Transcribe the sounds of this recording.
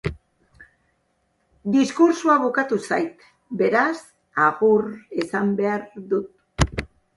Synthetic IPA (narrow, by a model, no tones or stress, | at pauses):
d̪iskuɾsuaβukat̪usajt̪ | be̞ɾas | aɣuɾesambe̞aɾd̪ut̪̚